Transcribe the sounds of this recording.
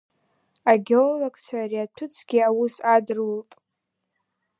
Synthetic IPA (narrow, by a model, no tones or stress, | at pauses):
aɡʲolakʼt͡sʷʰariatʰʊt͡sʰɡ̥ʲiawusadɨrwultʼ